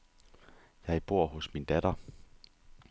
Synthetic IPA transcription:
jɑ̈ɐib̥o̝ɐ̰ɦɔ̽smind̥æɾ̥ɐ

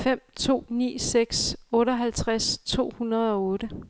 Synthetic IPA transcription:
fem̰t͡sʰo̝̰ːnḭːseɡ̥sɔ̽ːɾɐɦælt͡sʰʁast͡sʰo̝̰ːhunɐð̞ˠɒ̽ɔ̽ːɾ̥ə

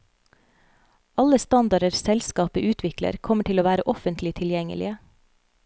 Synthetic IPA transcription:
ɑləst̪ɑnd̪ɑɾəɾsɛlskɑːpəʔʉːt̪ʰʋɪklə̰ɾkʰɔməʈʰɪloːʋæːɾəʔɔfənt̪lɪt̪ʰɪljɛŋə̰lɪ̰ə

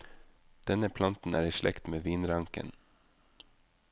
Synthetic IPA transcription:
d̪̥ɛnəpʰlɑnt̪n̩ʔæ̰ːɾiːʃlʔɛ̰kt̪meːʋiːnɾɑŋkə̰n

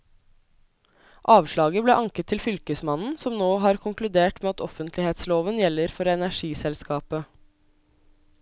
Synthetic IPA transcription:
ʔɑːʋʃɭɑːɡəbleːʔɑŋkət̪ʰːɪlfʏlkəsmɑnn̩sɔmnoːɦɑːɾkʰʊŋklʉd̪eːʈmeːɑt̪ɔfənt̪ʰlɪheːt̪sloːʋənjɛlːəɾfɔɾɛnæʂiːsɛlskɑːpə

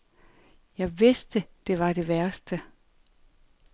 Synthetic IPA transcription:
jɑ̈ɪʋe̝sd̥əd̥e̝ʋɑ̈d̥e̝ʋæɐsd̥ə

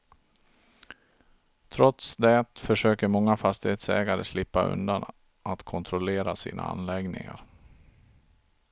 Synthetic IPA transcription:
t̪ʰɾɔt̪sd̪ɛt̪fœʂøːkəɾmɔŋːafast̪ɪheːt̪sɛ̰ːɡaɾəslɪpːaɵ̰nd̪an | ʔat̪kʰɔnt̪ʰɾʊleːɾasḭːnʔa̰a̰nlɛɡnɪ̰ŋa̰ɾ

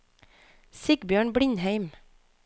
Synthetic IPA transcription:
sɪɡbjøːɳbɽɪnhæɪm

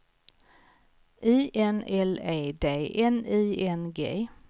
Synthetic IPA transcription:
ʔiːʔɛnɛleːd̪eːʔɛniːɛnɡḛː

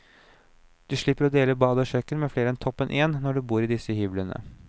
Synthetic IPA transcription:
d̪̥ʉʂɭɪpːəɾɔd̪eːləbɑːd̪əɔʃœkːənmɛːfleːɾəɛnt̪ʰɔpːənʔeːnːɔɖʉbuːɾɪːd̪ɪsəhyːblənə̰

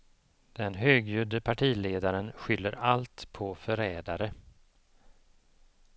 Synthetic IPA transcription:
d̪̥ɛnɦøːɡjʉːd̪əpʰaʈʰiːleːd̪aɾənɧʏlːəɾalt̪pʰɔfœɾɛːd̪aɾə

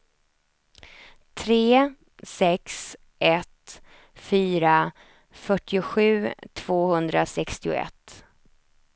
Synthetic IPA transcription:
t̪ʰɾeː | sɛks | ʔɛt̪ | fyːɾa | fœʈːɪʊɧʉ̟ːt̪ʰv̥oːhɵnd̪ɾasɛkst̪ɪʊ̰ɛ̰t̪ː

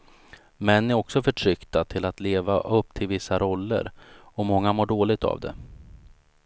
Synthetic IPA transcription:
mɛnːɪæɾɔksɔfœʈʰɾʏkt̪at̪ʰɪlat̪leːvaʔɵpːt̪ʰɪlvɪsːaɾɔlːə̰ɾɔmɔŋːamoːɖoːlɪɡ̚t̪ʰa̰vd̪ɛ̰

